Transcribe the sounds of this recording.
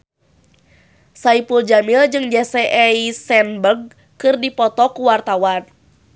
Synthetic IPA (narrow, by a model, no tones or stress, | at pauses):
saipuld͡ʒamild͡ʒɨŋd͡ʒɛsɛʔɛisɛnbərɡ̚ | kɨrdipɔt̪ɔkuwart̪awan